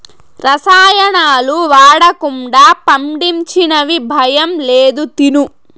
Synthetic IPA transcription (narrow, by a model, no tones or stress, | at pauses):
ɾɐsaːjɐnaːluʋaːɽɐkuɳɖaːpɐmɖiɲt͡ʃinɐʋibʱɐjɐmleːd̪ut̪inu